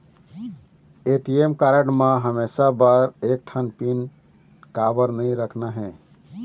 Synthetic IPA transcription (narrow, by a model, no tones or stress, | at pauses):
eʈiemkaɾəɽmãɦəmesabəɾek̚ʈʰənpin | kabəɾnəjɾəkʰnaɦɛ̃